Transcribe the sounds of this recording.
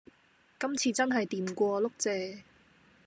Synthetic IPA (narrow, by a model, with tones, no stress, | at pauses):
kɐ˥mt͡sʰiː˧t͡sɐ˥nɦɐ˨jt̪iː˨mkʷɔː˧lʊ˥k̚t͡sɛː˨˧